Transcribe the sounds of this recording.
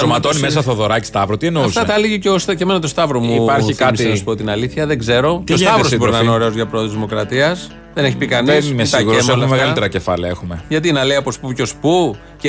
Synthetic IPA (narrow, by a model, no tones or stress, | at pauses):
omɐt̪onimes̬ɐt̪oðo̞ɾɐci̥st̪ɐvɾot̪ienoɐufst̪ɐt̪ɐliʝiceosceme̞nɐt̪o̞st̪ɐvɾomupɐɾikɐmisenɐsu̥pot̪inɐliθçɐðe̞ɡze̞ɾo̞cost̪ɐvɾosboinɐneoɾe̞o̞zʝɐpɾooðozðimo̞kɾɐt̪iɐs | ðeneçipikɐnisnimesiɣuɾeelmmeɣɐlit̪eɾɐcefɐlɐexumeʝɐt̪̬inɐle̞ijɐpospuco̞spu | c